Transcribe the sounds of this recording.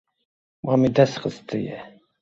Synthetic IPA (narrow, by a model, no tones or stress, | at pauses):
mɑmid̪æsχəst̪ʰɨjɛ̰